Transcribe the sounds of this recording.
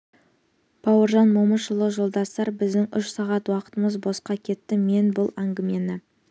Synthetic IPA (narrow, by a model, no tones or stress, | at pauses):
b̥ɑwəɾʒɑnmoməʃəlˠəʒo̞lˠd̪ɑsɑɾbɪzd̪ɪŋʏʃsɑʁɑt̪wɑqə̥t̪əməzbo̞sqɑkʲʰe̞t̪ːɪme̞nbʊlˠæŋɡʲɪme̞nɪ